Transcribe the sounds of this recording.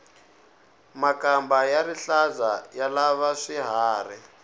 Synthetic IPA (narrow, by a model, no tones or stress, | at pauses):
makambajaɾiɬazajalaβaʂiɦaːri